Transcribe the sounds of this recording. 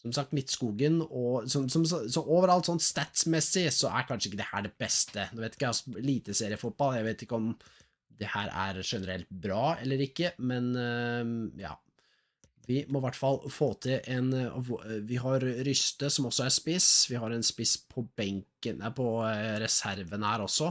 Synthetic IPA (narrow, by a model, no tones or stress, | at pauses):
sɔmsɑk̚t̪mɪt̪ːskuːɡənɔsɔsɔmssɔʔoʋəɾɑlt̪sɔnt̪st̪æt̪smɛsːɪsɔʔæ̰ɾkʰɑnʂəɪkːəd̪ɛhæ̰ːɖɛbɛst̪ənɔːʋeɪt̪ɪkːɑsɔliːt̪əseːɾɪəfʊt̪̚b̥ɑlːjæɪʋeɪt̪ɪkːəɔm | d̪ɛhæːɾʔæ̰ɾʂɛnəɾɛ̰lt̪̚bɾɑːɛlːəɾɪkːəmɛn | jɑ̰ː | ʋɪmɔʋæʈːfɑlːfoːt̪ʰɪlʔɛnɔ̰ʋɪɦɑɾɾʏst̪əsɔmɔsːɔæɾspɪsʋɪɦɑɾɛnspɪspʰɔbɛŋkənəpʰɔɾɛsæɾʋənəhæːɾɔsːɔ